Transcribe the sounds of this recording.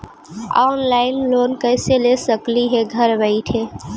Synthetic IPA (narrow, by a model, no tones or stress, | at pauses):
a̰ːnlaːɪnloːnkəɪselesəkliɦɛɡʱəɾbəɪʈʰɦeː